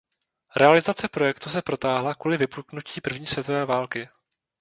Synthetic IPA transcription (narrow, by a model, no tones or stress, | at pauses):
ɾʔɛalɪzat͡sɛpɾo̞jɛkt̪us̬ɛpɾo̞t̪aːɦlakuːlɪvɪpuknuciːpr̩vɲiːsvjɛt̪o̞vɛːvaːlkɪ